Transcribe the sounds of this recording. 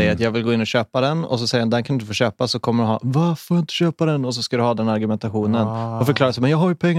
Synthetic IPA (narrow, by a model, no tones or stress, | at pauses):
ɛjːəɾat̪jɑːɡvɪlɡoːɪnːɔɕøːpad̪ɛnɔ̰s̬ɔsɛjːəɾand̪ɛnkʰanɪnt̪əfoːɕøːpasɔkʰɔmːəɖɵɦɑ̰ːvaɾfojaɪnt̪ə̥ɕøːpad̪ɛnɔs̬ɔskad̪ɵhɑːd̪ɛnaɾɡɵmɛnt̪aɧuːnənɔfœɾkʰlɑːɾasɔmɛnjɑːɡɦaːɾjɵpʰɛŋː